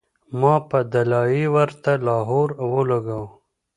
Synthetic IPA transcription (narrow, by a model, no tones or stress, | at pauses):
mɑpəd̪alɑjiwəɾt̪alɑːɦoːɾwolaɡaw